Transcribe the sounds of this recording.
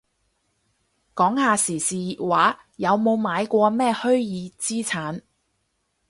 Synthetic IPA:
kɔː˨˥ŋhaː˨˧siː˨˩siː˨waː˨˥ | jɐ˨˧wmo˨˧wmaː˨˧jkʷɔː˧mɛː˥hɵ˥ɥjiː˨˧t͡siː˥t͡sʰaː˨˥n

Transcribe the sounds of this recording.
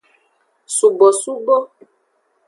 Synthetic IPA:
su˨bo˨su˦bo˦

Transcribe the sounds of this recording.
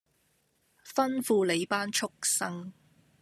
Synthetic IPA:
fɐ˥nfuː˧le˨˧jpaː˥nt͡ʃʰʊ˥k̚sɐ˥ŋ

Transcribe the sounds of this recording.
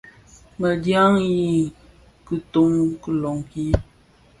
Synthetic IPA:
mə˨dja˦ŋji˦ | kɨ˦to˦ŋkə˦lɔ˨ŋki˦

